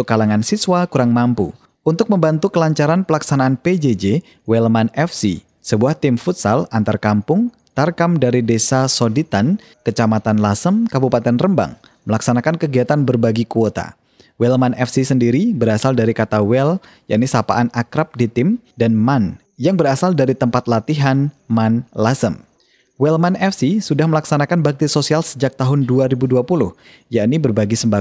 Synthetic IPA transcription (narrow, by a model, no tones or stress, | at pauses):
kːalaŋansiswakuɾaŋmampṵ | unt̪ʊk̚məmbant̪ukəlaɲt͡ʃaɾanpəlaksanaːnped͡ʒed͡ʒe | wɛlmanɛfsḭ | səbuaht̪ɪmfut̪sa̰lant̪arkampʊŋ | t̪arkamdaɾidesasɔdit̪an | kət͡ʃamat̪anlasəmkabupat̪ɛnrəmba̰ŋ | məlaksanakankəɡiat̪anbərbaɡikuot̪a̰ | wɛlmanɛfsisəndiɾibəɾasaldaɾikat̪awɛl | ja̰ʔnisapa̰ʔanakɾap̚dit̪ɪmdanman | jaŋbəɾasaldaɾit̪əmpat̪lat̪iɦanmanlasəm | wɛlmanɛfsisudahməlaksanakanbak̚t̪isosialsəd͡ʒak̚t̪aɦʊnduaɾibuduapulʊh | jaʔnibərbaɡisəmba